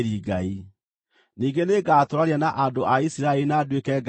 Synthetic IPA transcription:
ɾiːɡai | niːŋɡeneɡaːtoɾaɾeanaʔandoʔaisiɾaeɾinaːdwekɛɡ

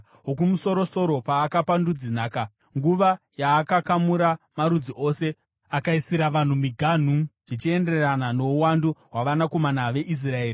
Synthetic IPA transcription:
ɦok̬umuso̞ɾo̞so̞ɾo̞paːkapandud͡zinaːka | ŋɡuʋa | jaːkakamuɾamaɾud͡ziʔo̞ːse̞ | akaisiɾaʋan̤umiɡʱan̤uʐ̥it͡ʃie̞nde̞ranano̞uwanduɦwaʋanako̞manaʋe̞ʔis̬rae̞ːri

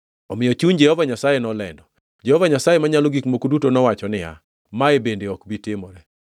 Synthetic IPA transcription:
ɔmɪjɔt͡ʃund͡ʒɛhɔvaɲasajenɔlɛndɔ | d͡ʒɛhɔvaɲasajemaɲaloɡikmokodutonɔwat͡ʃɔnɪa̰ | maebendeɔkbitɪmɔɾɛ

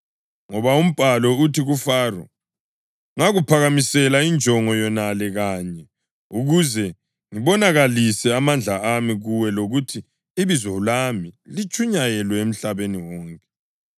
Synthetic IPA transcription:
ŋɔβaum̩b̥ʱalɔutiɣufaːrɔ̰ | ŋaɣupʰaɣamisɛlaind͡ʒʱɔŋɔjɔnalɛɣaːɲɛ | uɣuzɛ | ŋiβɔnaɣalisɛamand͡ɮʱaamiɣuwɛloɣutʰiː | βizwɔlamilit͡ʃʼuɲajɛlwɛem̩ɬaβeniwɔːŋkʼɛ̥

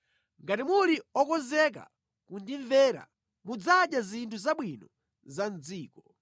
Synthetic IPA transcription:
ŋɡatimuliɔkɔnzɛk̬a̰ | kundiɱvɛɾa̰ | mud͡zaɗjazintʰuzaɓwinɔ | zand͡ziːkɔ

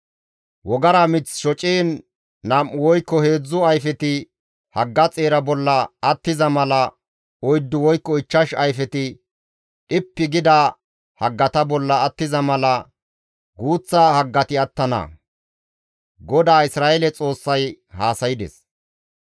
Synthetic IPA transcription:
wɔɡɐɾɐmɪt͡sʃɔt͡ʃʼeːnː | ɐmʔʊwɔjkːɔhe̞ːd͡zːʊɐjfɛt̪ɪ | hɐɡːɐt͡sʼe̞ːɾɐbɔlːɐːt̪ːɪzɐmɐlɐ | ɔjd̪ːʊwɔjkːɔɪt͡ʃːɐʃɐjfɛt̪ɪ | ᶑɪpːɪɡɪd̪ɐ | hɐɡːɐt̪ɐbɔlːɐːt̪ːɪzɐmɐlɐ | ɡuːt͡sːaːhɐɡːɐt̪ɪɐt̪ːɐnɐ̰ | ɡɔd̪aːɪsɾaːɛlɛt͡sʼo̞ːsːɐj | haːsɐjɪd̪ɛ̰s

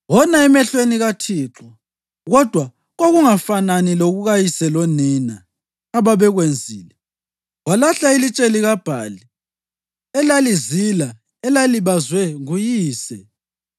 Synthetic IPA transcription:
wɔnaɛmɛɬweniɣatʰiːǁɔ | ɣɔd̥ʱwa | ɣoɣuŋafananiloɣuɣajisɛloninaː | βaβɛɣwend͡zʱiːlɛ | ɣwalaɬailit͡ʃʼeliɣab̥ʱa̰ːli | ɛlalizila | ɛlaliβazwɛujiːsɛ

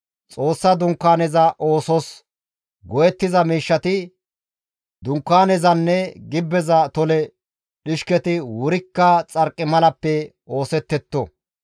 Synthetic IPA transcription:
t͡sʼo̞ːsːɐd̪ʊŋkːaːnɛzɐʔo̞ːsɔs | ɡɔjɛt̪ːɪzɐmiːʃːɐt̪ɪ | d̪ʊŋkːaːnɛzɐnːɛɡɪbːɛzɐt̪ɔlɛ | ɗɪʃkɛt̪ɪwʊɾɪkːɐt͡sʼɐɾkʼːɪmɐlɐpːɛ | o̞ːsɛt̪ːɛt̪ːɔ

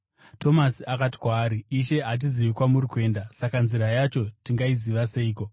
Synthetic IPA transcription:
tʰo̞masiakati̥kwaːɾiːʃe̞ɦat̬iziʋikwamuɾikwe̞ːndasakanziɾajat͡ʃo̞tiŋɡaiziʋase̞iːko̞

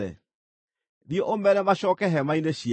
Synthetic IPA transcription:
ɛ̰ | nieʔomɛnɛmaɕɔkɛɦɛmaineɕi

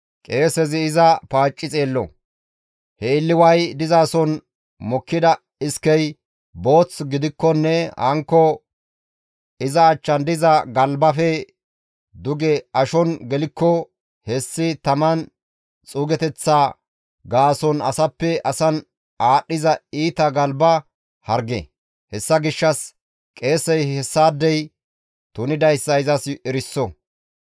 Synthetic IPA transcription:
kʼe̞ːsɛzɪːzɐpaːt͡ʃʼːɪt͡sʼeːlːɔ̰ | hɛɪlːɪwɐjd̪ɪzaːsɔn | mɔkːɪd̪ɐ | ɪskɛj | bo̞ːt͡sɡɪd̪ɪkːɔnːɛhɐ̰ŋkːɔ | ɪzɐːt͡ʃːɐnd̪ɪzɐɡɐlbɐfɛ | d̪ʊɡɛɐʃɔnɡɛlɪkːɔ | hɛsːɪt̪ɐmɐn | t͡sʼuːɡɛt̪ɛt͡sːaː | ɡaːsɔnɐsɐpːɛʔɐsɐn | ʔaːɗːɪzɐiːt̪ɐɡɐlbɐ | hɐɾɡɛ̰ | hɛsːɐɡɪʃːɐs | kʼe̞ːsɛjɛsːaːd̪ːɛj | t̪ʊnɪd̪ɐjsːɐɪzɐsɛɾɪsːɔ

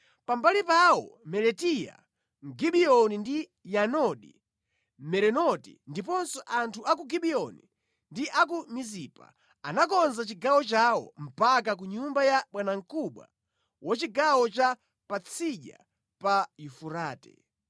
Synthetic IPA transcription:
pambalipawɔ̰mɛlɛtija̰ | ŋɡiɓiɔnindi | janɔɗḭ | mɛɾɛnɔtḭndipɔnsɔʔantʰuʔak̬uɡiɓiɔnḭ | ndiʔak̬umiziːpa̰ | a̰nakɔnzat͡ʃiɡawɔt͡ʃawɔ̰m̩pak̬ak̬uɲumbajaɓwanaŋ̩kuɓwa̰ | wat͡ʃiɡawɔt͡ʃa | pat͡sʰiʄa̰ | pajufuɾaːtɛ̰

